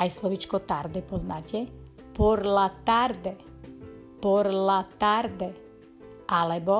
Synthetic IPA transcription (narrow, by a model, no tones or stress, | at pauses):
ajslɔʋit͡ʃkɔt̪aɾd̪ɛpɔznaːcɛ | pɔɾlat̪aɾd̪ɛ | pɔɾlat̪aɾd̪ɛ | ʔalɛbɔ